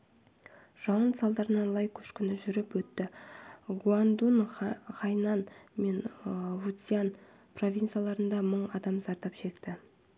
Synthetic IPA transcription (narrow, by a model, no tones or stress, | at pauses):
ʒ̥ɑwənt̪sɑlˠd̪ɑɾənɑlˠɑjkʲʰʏ̥ʃkʲʏnɪʒʏɾɪpwɵt̪ːɪɡuand̪unʁɑjnɑnme̞nvut̪sʲijan | pro̞vʲint̪ɨjalˠɑɾənd̪ɑməɴɑd̪ɑmzɑɾt̪ɑpʃe̞kt̪ɪ